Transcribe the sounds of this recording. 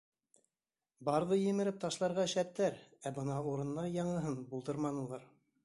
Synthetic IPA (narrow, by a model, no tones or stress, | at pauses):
bɑɾðɤjɘ̆mɘ̆ɾɘp̚t̪ɑʃlˠɑɾʁɑʃæt̪ːæɾæbɤnɑuɾɤ̆nlˠɑɾjɑɴɤ̆ɦɤnbulˠd̪ɤɾmɑnɤ̆lˠɑɾ